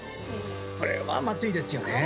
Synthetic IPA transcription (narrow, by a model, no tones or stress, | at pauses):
ko̞̰ɾe̞̰βa̰mat͡sɨid̪e̞sɨjo̞ne